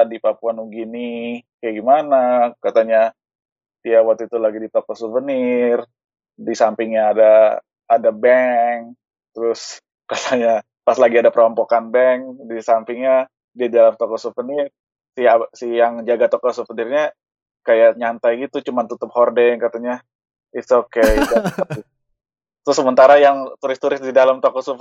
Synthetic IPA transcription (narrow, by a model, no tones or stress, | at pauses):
dipapuanuɡinɪkajaɡimanakat̪aɲa | t̪iawat̪it̪ulaɡidit̪okɔsuvənɪr | disampɪŋɲaːdaː | dabɛŋ | t̪əɾʊs | kat̪aɲa | paslaɡiadapəɾɔmpɔkanbɛŋdisampɪŋɲa | diadidalamt̪ɔkɔsuvənɪr | siasijaŋd͡ʒaɡat̪okɔsufənirɲa | kajaʔɲant̪ajɡit̪ut͡ʃumant̪ut̪ʊp̚hɔrdɛnkat̪aɲa | ɪtsokekata | t̪əɾʊsːəmənt̪aɾajaŋt̪uɾɪst̪uɾɪs̚didalamt̪okɔsuv